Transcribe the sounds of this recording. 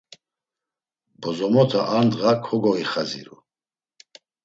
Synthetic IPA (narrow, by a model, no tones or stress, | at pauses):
bɔzɔmɔt̪ʰaʔand̪ʁakʰɔɡɔiχazḭɾṵ